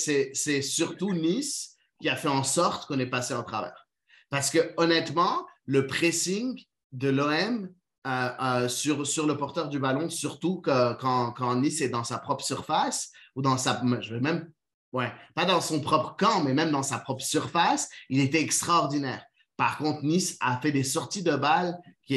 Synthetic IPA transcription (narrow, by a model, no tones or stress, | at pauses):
sɛsɛsyʁt̪unis | kʲiafɛɑ̃sɔʁt̪kɔ̃nɛpaseɔ̃t̪χa̰vɛ̰ːʁ | paʁsə̥kəɔnɛt̪mɑ̃ləpχesiŋ | d̪əlɔɛm | øøsyʁsyʁləpɔʁt̪œʁd̪ybalɔ̃syʁt̪ukøkɑ̃kɑ̃nisɛd̪ɑ̃sapχɔpχsyʁfasud̪ɑ̃samɛʒəvɛmɛm | wɛpad̪ɑ̃sɔ̃pχɔpχəkɑ̃mɛmɛmd̪ɑ̃sapχɔpχəsyʁfasilet̪ɛɛkst̪χaɔʁd̪inɛːʁ | paʁkɔ̃t̪χnisa̰fɛd̪esɔʁt̪id̪əbalkʲi